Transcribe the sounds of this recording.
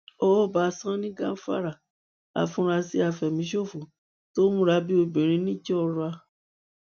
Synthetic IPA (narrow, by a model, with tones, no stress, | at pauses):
ɔ˦ɔ˦˨ba˨˦˧sã˦nĩ˦ɡã˦fa̰˦ɾa˨ | a̰˨fũ˧˦ɾa˧si˧˦a˨fɛ˨mĩ˨˦ʃo˦˨fu˨ | to˦mũ˦ɾa˧bi˦o˧bĩ˨ɾ̃ĩ˧˦nĩ˦d͡ʒɛ˦ɔ˧ɾa˧